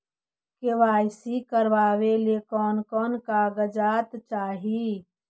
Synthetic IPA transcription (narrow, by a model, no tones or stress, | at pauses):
keʋaːjsikəɾʋaːwelekɔːnkɔːnkaɡəd͡ʒaːt̪t͡ʃaːɦi